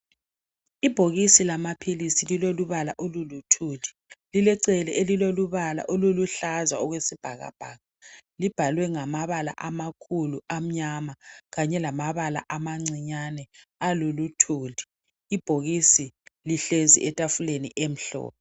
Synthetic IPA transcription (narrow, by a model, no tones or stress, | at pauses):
ib̥ʱoɣisilamapʰilisililoluβalaʔolulutʰuːdʱi̥ | lilɛǀɛlɛʔeliloluβala̰ʔoluluɬazaɔɣwesib̥ʱaɣa̰b̥ʱaːɣalib̥ʱalwɛŋamaβala̰ʔamakʰuluam̩ɲamaɣaɲɛlamaβala̰ʔamaŋ͡ǀiɲanɛalulutʰuːdʱi̥ | ib̥ʱoɣisiliɬezḭʔɛtʼafulenḭʔem̩ɬɔ̰ːpʰɔ